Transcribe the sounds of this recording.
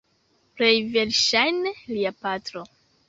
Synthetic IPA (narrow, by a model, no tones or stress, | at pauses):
plejveɾʃajneliapatɾo